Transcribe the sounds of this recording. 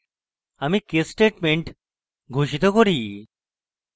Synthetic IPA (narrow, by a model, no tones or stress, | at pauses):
amikesʈeʈmeɳʈ | ɡʱoɕit̪ɔkɔɾiː